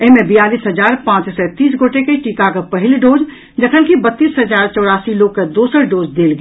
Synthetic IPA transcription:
ɪɦmẽbɪjaːliːsɦɐd͡ʒaːɾpãːt͡ʃsɛt̪iːs̬ɡoːʈekeʈiːkakapɐɦɪlɖoːd͡ʒ | d͡ʒɐt̪ʰəlkibɐt̪ːiːsɦɐd͡ʒaːɾt͡ʃɔːɽaːsiloːɡ̚kad̪oːsəɾɖoːd͡ʒd̪eːlɡ

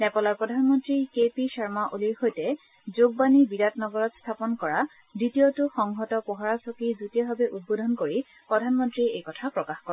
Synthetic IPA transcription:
nɛpɔlaɹpɹɔdʱanmɔntɹikepisaɹmaʔoliɹxojtɛ | zoɡ̚banibidatnɔɡɔɹɔtst̪ʰapɔnkɔɹa | ditiotʊxɔŋɦɔtɔpɔɦaɹasɔkizutiɔɦabɛʔud̚bodʱɔnkoɹi | pɹɔdʱanmɔntɹiejkɔtʰapɹɔkaxkɔ

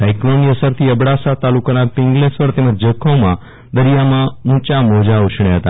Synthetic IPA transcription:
sajkloniəsəɾt̪ʰiəbɽasat̪alukanapɪ̃ŋɡlesʋəɾt̪eməd͡ʒd͡ʒəkʰːõmã | d̪əɾijamãɦũt͡ʃamod͡ʒaut͡ʃʰɳ̃eɦət̪a̰

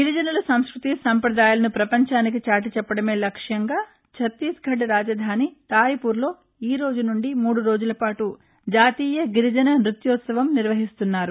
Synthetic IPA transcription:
ɡiɾid͡ʒɐnɐlɐsɐmskɾut̪isɐmpɾɐd̪aːjaːlɐnupɾɐpɐɲt͡ʃaːnik̬it͡ʃaːʈit͡ʃɛpːɐɽɐme̞ːlɐkʂjɐŋɡaː | t͡ʃʰɐt̪ːiːsɡʱɐɖɾaːd͡ʒɐd̪ʱaːnit̪aːjipuːɾlo̞ː | iːɾo̞ːd͡ʒunuɳɖimuːɽuɾo̞ːd͡ʒulɐpaːʈu | d͡ʒaːt̪iːjɐɡiɾid͡ʒɐnɐmɾut̪juːt̪sɐʋɐmniɾʋɐɦist̪unːaːɾu

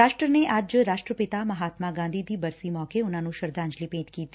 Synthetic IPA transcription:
aːʃʈɾəneʔɐd͡ʒɾaːʃʈɾəpɪt̪amɐɦaːt̪maɡãːnd̪ʱiːd̪iːbɐɾsimɔːkeʊnãːnũʃɐɾd̪ãːɲd͡ʒlipẽːt̪kiːt̪i

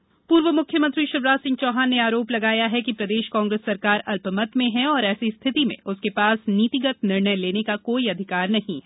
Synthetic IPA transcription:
puːɾʋəmʊkʰjəmɐ̃nt̪ɾiʃɪɾʋɾaːsɪ̃ŋɡ̚t͡ʃɔːɦaːnːeaːɾoːplɐɡaːjaɦɛkipɾɐd̪eːʃkãːŋɡɾeːsːɐɾkaːɾɐlpəmət̪mẽɦɛ̃ɔːɾɛːsist̪ʰɪt̪imḛ̃ʊskepaːsniːt̪ɪɡət̪nɪɾɳəjleːnekakoːiɐd̪ʱɪkaːɾnɐɦĩ

